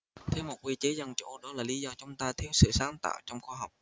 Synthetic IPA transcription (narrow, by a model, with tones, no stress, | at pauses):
t̪ʰe˨˦wmo˨˩t̚wi˧t͡ɕe˨˦zə˧nt͡ɕo̰˧˩ɗɔ˨˦laː˨˩li˨˦zɔ˧t͡ɕʊ˨˦ŋ͡mt̪aː˧jt̪ʰi˨˦wsɨ̰˧˨saː˨˦nt̪a̰ː˧˨wt͡ɕɔ˧wŋ͡mxwaː˧ɦa˨˩wk͡p̚